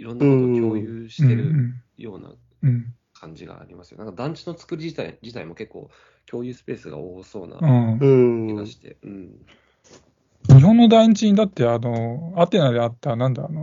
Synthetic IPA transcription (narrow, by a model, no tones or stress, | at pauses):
iɾõ̞nːɯjoːjɯːɕi̥tɯe̞ɾɯ̟̃jo̞ːna̰ | ɯ̟̃ɴ | kʰãɲd͡ʑiɡa̰ːɾʲimasɨjonaŋkad̪ãɲ̟t͡ɕino̞t͡sɨ̥kɯ̟ɾʲiʑit̪aid͡ʑit̪aimo̞ke̞kːo̞̰ː | kʲʰo̞ːjɯːsɨ̥pe̞ːsɨɡa̰oːso̞ːna̰ɯ̃ɯaɕi̥t̪ḛɯ̟̃ɴ | ɲiɦõ̞nːo̞d̪aiɲ̟it͡ɕiɲ̟id̪at̪ːe̞ano̞at̪e̞nad̪e̞at̪ːanãnd̪ano